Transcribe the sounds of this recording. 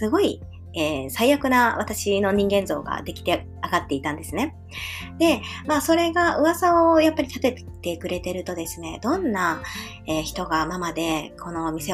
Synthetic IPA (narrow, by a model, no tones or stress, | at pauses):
sɨɡo̞i | eːsaijakɯ̟naβat̪aɕino̞ɲ̟ĩŋɡẽ̞nzo̞̰ːɡa̰d̪e̞kʲi̥t̪e̞ | aɡat̪ːe̞it̪ãnd̪e̞sɨne̞ | d̪̥e̞maso̞ɾe̞ɡaʔɯ̟βasaojapːaɾʲit̪at̪e̞t̪e̞kɯ̟ɾe̞t̪e̞ɾɯ̟t̪o̞d̪e̞sɨne̞d̪õ̞nːa | eːçi̥t̪o̞ɡamamad̪e̞kʰo̞no̞ːmʲise̞